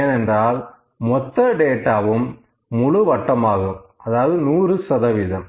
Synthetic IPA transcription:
eːnɛndraːl | mɔt̪ːɐɖeːʈːaːʋɯmː | ʊɭɯʋɐʈːɐmaːɣɯmʔɐðaːʋɐðɯnuːrɯsɐðɐʋɪðɐm

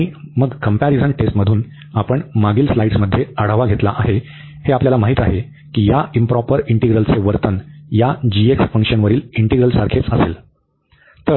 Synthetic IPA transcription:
iːməɡkəmpæɾid͡zənʈesʈməd̪ʱuːn | apəɳmaɡiːlslaiɽsməd̪ʱjeəɽ̤əʋaɡʱet̪laʔaɦe | heapljalamaɦit̪a̰ɦe | kiːjaimpɾɔpəɾiɳʈeɡɾəlt͡seʋəɾt̪ənjad͡ʑieksfə̃ŋkʂənʋəɾiːliɳʈeɡɾəlsaɾkʰet͡səsel | t̪əɾ

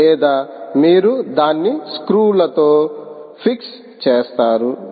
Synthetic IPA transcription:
ɛːd̪aːmiːɾud̪aːnːiskɾuːlɐt̪o̞ːpʰiks | t͡ʃeːst̪aːɾu

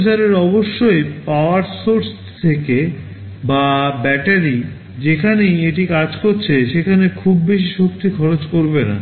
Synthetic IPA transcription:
t͡ɕaɾeɾɔboʃːojpaoaɾsoɾs | t̪ʰeke | babɛʈaɾi | d͡ʑekʰanejeʈikad͡ʑkoɾt͡ɕʰeʃekʰanekʰubːeʃiʃok̚t̪ikʰɔɾot͡ɕkoɾbena̰

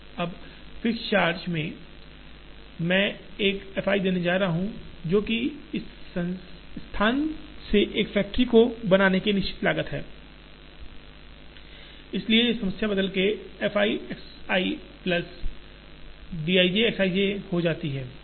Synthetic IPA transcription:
ɐb | fɪst͡ʃaːɾd͡ʒmẽ | mɛ̃ːeːkɛfaːid̪eːned͡ʒaːɾaɦaɦũd͡ʒoːkĩ | st̪ʰaːnseʔeːkfɛːk̚ʈəɾikobɐnaːnekenɪʃt͡ʃɪ̥t̪laːɡət̪ɦɛː | ɪslieesɐməsjabɐd̪əlkeɛfaːiɛksaːiplɐs | ɖiːaːid͡ʒeɛksaːiehod͡ʒaːt̪iɦɛː

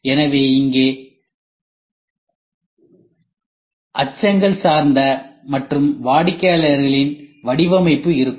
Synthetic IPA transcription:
ɛnɐʋeːɪŋɡeː | ʔɐt͡ʃːɐŋɡɐɭsaːɾnd̪ɐmɐʈrɯmʋaːɽɪkːɐjɐlɐɾɣɐɭɪnʋɐɽɪʋɐmɐɪpːɯɪɾɯkː

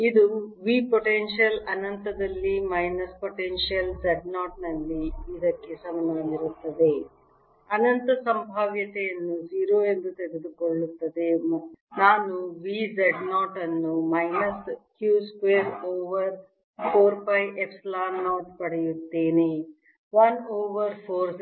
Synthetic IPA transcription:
id̪uʋiːpoʈenʃijɐlɐnɐnt̪ɐd̪ɐlːimɐjnɐspoʈenʂijɐld͡ʒeɖnaːʈnɐlːiid̪ɐkːesɐmɐnɐniɾut̪ːɐd̪e̞ | ɐnɐnt̪ɐsɐmbʱaːʋjɐt̪ɛjɐnːud͡ʒiːɾoːend̪ut̪eɡed̪ukoɭːut̪ːɐd̪e̞mɐnaːnuʋizeɖnaːʈɐnːumɐjnɐskjuːskʋeːɾoːʋɐɾ | pʰoːɾpɐjʔepslaːnːaːʈ̚pɐɽejut̪ːeːne | ʋɐnoːʋɐɾpʰoːɾ

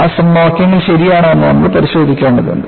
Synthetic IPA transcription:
aːsɐmːaːkʲːɐŋːɐɭɕɐɾijaːɳːnːɨnɐ̰mːɐɭpɐɾiɕo̞ːd̪ʱikʲːe̞ːɳɖɐðṵɳɖɨ

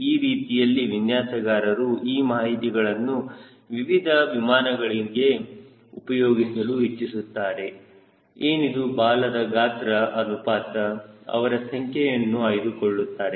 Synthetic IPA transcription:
iːɾiːt̪ijɐlːiʋinjaːsɐɡaːɾɐɾuiːmaːɦit̪iɡɐɭɐnːu | ʋiʋid̪ʱɐʋimaːnɐɡɐɭiɡe̞ | upɐjoːɡisɐluɦit͡ʃːisut̪ːaːɾe̞ | eːnid̪ubaːlɐd̪ɐɡaːt̪ɾɐʔɐnupaːtɐɐ̰ʋɐɾɐsɐŋkʰɛjɐnːuɐjd̪ukoɭːut̪ːaːɾe̞

